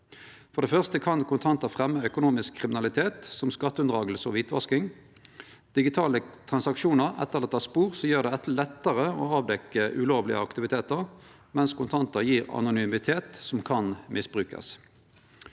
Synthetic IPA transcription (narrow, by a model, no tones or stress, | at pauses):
fɔʁd̪ɛːfœʁst̪əkʰɑnkʰʊnt̪ʰɑnt̪əfʁɛmːəœkʊnuːmɪskʰːʁɪmɪnɑlɪt̪ʰeːt̪sɔmskɑt̪ːəʉnd̪ʁɑːɡəl̩səɔ̰ʋiːt̪ʰʋɑ̰skɪŋ | d̪̥ɪɡɪt̪ʰɑːlət̪ʰʁɑnsɑkʂuːnəʁɛ̰t̪ːəʁlɛt̪ːɑspuːʁsɔjøːʁd̪ɛɛt̪lɛt̪ːəʁəo̰ːɑːʋd̪ɛkːəʔʉloːʋlɪ̰ə̰ɑkt̪ɪʋɪt̪ʰeːt̪əʁ | mɛnskʊnt̪ʰɑnt̪əʁjiːʁɑ̰nʊnyːmɪt̪ʰeːt̪sɔmkʰɑnmʔɪsbʁʉːkɑ̰s